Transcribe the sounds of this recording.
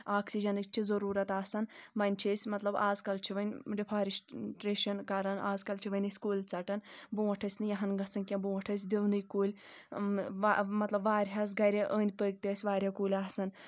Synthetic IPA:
aːksid͡ʒɐnɨt͡ʃʰizɐɾuːɾɐt̪aːsɐnʋɐnʲt͡ʃʰesʲmɐt̪lɐbaːzkɐlt͡ʃʰiʋɐnʲɖipʰaːɾisʈɾeːʃɐnkɐɾɐnaːzkɐlt͡ʃʰiʋɐnʲisʲkuːlʲt͡sɐʈɐnbũːʋɐʈʰɐsʲnɨjɐɦɐnɡɐsɐnkʲɐ̃buːʋɐʈʰɐs̬ʲd̪iwnɨjkuːlʲ | ʋamɐt̪lɐbʋaːɾʲɦɐs̬ɡɐɾʲeʔəːnʲd̪̚ʲpəːɡ̚t̪ʲeːsʲʋaːɾʲɐkuːlʲaːsɐn

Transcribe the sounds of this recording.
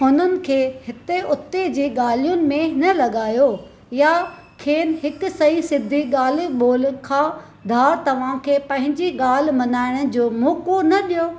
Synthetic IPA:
ɦʊnənɪ̆kʰeːhɪt̪eʔʊt̪ːed͡ʑiːɠaːl̤ijʊnɪ̆mẽnɐlɐɠaːjo | ja | kʰeːnɦɪkʊ̆sɐĩsɪd̪ʱiɠaːl̤iɓoːlkʰãː | d̪ʱaːɾt̪ɐʋ̤ãkʰeːpɐ̃ɦɪ̃ɲd͡ʑiɠaːl̤̆mɐnaːɪɽ̃əd͡ʑoːmoːkonɐɗijoː

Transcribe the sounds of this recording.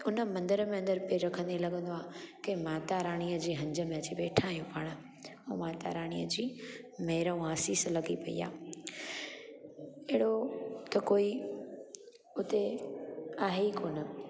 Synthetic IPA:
ʊnə̆mɐ̃nd̪əɾəmẽɐ̃nd̪əɾpeɾɐkʰə̃nd̪ilɐɡə̃nd̪oaːkemaːt̪aɾaːɽ̃ijəd͡ʑiːɦɐ̃ɲd͡ʑə̆mẽɐt͡ɕibeːʈʰaːijũpaːɽ̃ | oːmaːt̪a̰ːɾaːɽ̃ijəd͡ʑiːmeːɾəũaːsiːslɐɡipɐḭːa̰ː | eɦɪɽot̪ɐkoːi | ʊt̪e | aːɦekoːnə

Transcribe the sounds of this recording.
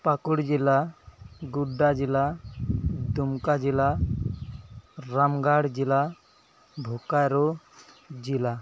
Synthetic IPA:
pakuɽd͡ʒila | ɡuɖːad͡ʒila | d̪umkad͡ʒila | ɾamɡaɽd͡ʒila | bʱokajɾo | d͡ʒila

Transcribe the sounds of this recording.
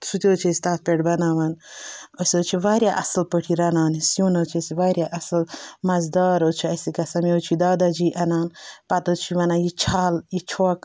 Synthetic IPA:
sut̪ʲioːt͡ʃʰɐsʲt̪aːt̪̚pʲeʈbɐnaːʋɐnosʲot͡ʃʰiʋaːɾjaʔɐ̰slpəʈʰiɾɐnaːnisjuːnɐwt͡ʃʰɐsiʋaːɾjaʔɐslmɐzd̪aːɾot͡ʃʰiɐsikɐsɐmiot͡ʃʰid̪aːd̪ad͡ʒiːʔɐnaːnpɐt̪ot͡ʃʰiʋɐnaːjit͡ʃʰaːljit͡ʃʰoːk

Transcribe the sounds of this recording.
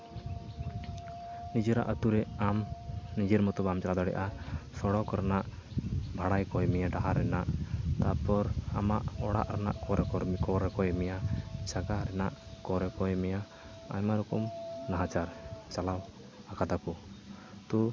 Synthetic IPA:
nid͡ʒɛɾa̰ʔət̪uɾɛamnid͡ʒɛɾmɔt̪ɔbamt͡ʃalad̪ɔɽɛ̰ʔasɔɽɔkɾanaʔ | bʱaɽajkɔjmɛjaɖaɦaɾɛnaʔt̪apɔɾamaʔɔɽa̰ʔɾana̰ʔkɔɾɛkɔkɔɾɛkɔjɛmɛjat͡ʃaɡaɾɛnaʔkɔɾɛkɔjɛmɛja | a̰jmaɾɔkɔmnaɦat͡ʃaɾt͡ʃalaw | akad̪akɔ | t̪ɔ

